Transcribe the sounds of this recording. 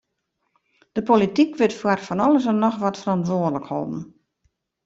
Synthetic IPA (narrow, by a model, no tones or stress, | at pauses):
d̥əpolitikʋɪtfwarfɔnɔlˠəs̬ənɔxʋɔtfərɔntʋoədələkhɔ̰bn̩